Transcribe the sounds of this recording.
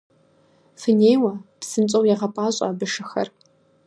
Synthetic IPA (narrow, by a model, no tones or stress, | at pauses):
fɨneːjwɐtsɨnt͡sʼɐwjɛʁɐpʼaːɕʼa̰ːbɨʂɨxɐ̰r